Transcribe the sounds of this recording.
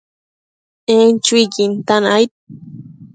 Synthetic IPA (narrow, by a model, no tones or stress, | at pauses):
ent͡ʃukint̪anajt̪̚